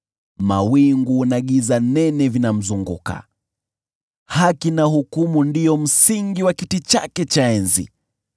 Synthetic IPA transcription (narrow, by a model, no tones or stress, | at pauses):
ma̰wiŋɡuːnaɠizanɛnɛvinam̩zuŋɡṵka̰ | hakinahukumundijɔm̩siŋɡiwakitit͡ʃa̰kɛt͡ʃaɛnzḭ